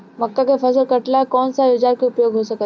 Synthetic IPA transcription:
mɐkːakefʰɐzəlkɐʈlakɔːnsaʋɪt͡ʃaːɾkeʊpjoːɡɦosɐk

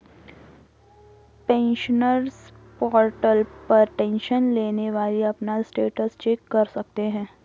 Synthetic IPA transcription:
pɛ̃ːnʃənəɾspɔːɾʈəlpɐɾʈɛ̃nʃənleːneʋaːliɐpnasʈeːʈəst͡ʃeːkːɐɾsɐk̚t̪eɦɛ̃ː

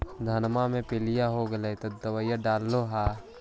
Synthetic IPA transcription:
d̪ʱɐnmamẽpɪlijaɦoɡɐlet̪ɐd̪ːəʋəjaɖaːlːoɦaː

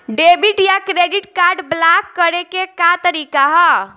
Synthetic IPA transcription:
ɖebiʈjakɾeɖiʈkaɾɖblakːəɾekekat̪əɾikaɦɔ

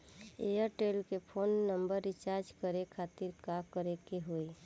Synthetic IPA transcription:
eːjəɾʈeːlkepʰoːnːə̃mbəɾːɪt͡ʃaːɾd͡ʒkəɾekʰaːt̪ɪɾkakəɾekeɦoe

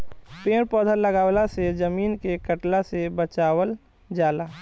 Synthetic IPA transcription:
peːɾpɔːd̪ʱəlːəɡaːwlased͡ʒəmiːnkekəʈlasebət͡ʃaːwəl | d͡ʒaːlaː

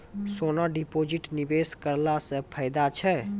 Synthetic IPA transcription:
soːnaɖipoːd͡ʒɪʈnibeːskəɾlasə̃pʰəɪd̪at͡ʃʰɛ

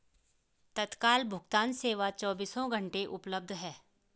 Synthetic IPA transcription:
t̪ət̪kaːlbʱʊɡt̪aːnseːʋat͡ʃɔːbiːsõɡʱə̃ɳʈeʔʊpləb̚d̪ʱɦɛː

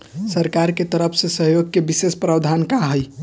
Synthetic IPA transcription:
səɾkaɾket̪əɾəpʰsẽsəɦjoɡ̚kebisespɾabd̪ʱankaɦəj

